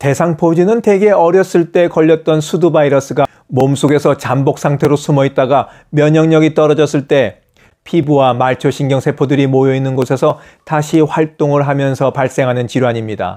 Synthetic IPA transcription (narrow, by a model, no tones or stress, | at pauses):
te̞sʰaŋpʰod͡ʑinɯnte̞ɡe̞ʌɾjʌs͈ɯɭt͈e̞kʌʎːʌt̚t͈ʌnsʰudubaiɾʌs͈ɯɡa | momsʰoɡe̞sʰʌt͡ɕambok̚s͈ʰaŋtʰe̞ɾosʰumʌit̚t͈aɡa | mjʌɲʌŋɲʌɡit͈ʌɾʌd͡ʑʌs͈ɯɭt͈e̞ | pʰibuwamaɭt͡ɕʰoɕʰinɡjʌŋsʰe̞pʰodɯɾimojʌinːɯnɡosʰe̞sʰʌ | taɕʰiɸwaɭt͈oŋɯɭɦamjʌnsʰʌpaɭs͈e̞ŋɦanɯnt͡ɕiɾwaɲimɲida̰